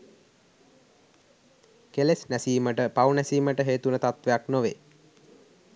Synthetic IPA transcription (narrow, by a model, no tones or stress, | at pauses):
kelesnæsiːməʈəpaunæsiːməʈəɦeːt̪unət̪at̪ʋejaknoʋḛ